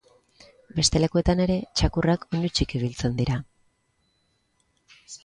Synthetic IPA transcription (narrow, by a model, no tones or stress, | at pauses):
be̞st̪e̞le̞kue̞t̪ane̞ɾe̞t͡ʃakurakonut͡ʃikiβ̞ilt͡se̞nd̪iɾa